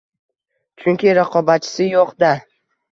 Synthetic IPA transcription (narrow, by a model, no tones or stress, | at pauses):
t͡ʃʰʊŋkʲɪɾaqʰɒbat̪̚t͡ʃʰɪ̥sɪjoqd̪a